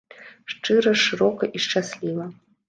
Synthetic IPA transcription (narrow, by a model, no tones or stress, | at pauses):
ʂt͡ʂɨɾɐʂɨɾokɐʔiʂt͡ɕasʲlʲivɐ